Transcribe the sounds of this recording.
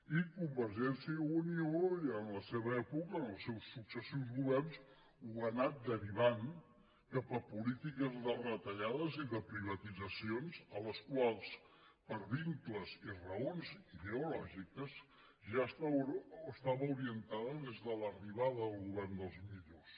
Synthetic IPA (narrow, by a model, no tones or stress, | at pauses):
ikumbəɾʒɛnsiəunioənləseβəɛpukəːnəlˠsːɛwsːuksəsiwzɣuβɛrns | uɣənat̪̚d̪əɾiβaŋ | kapəpulit̪ikəzðərət̪əʎaðəziðəpɾiβ̞ət̪id͡zəsionzələskwalˠs | pəɾβiŋkləzirəonziðeulɔʒikəz | ʒaəst̪aəst̪aβəuɾiənt̪aðəðezðələriβaðəðəlˠɣuβɛrnd̪əlˠzmiʎos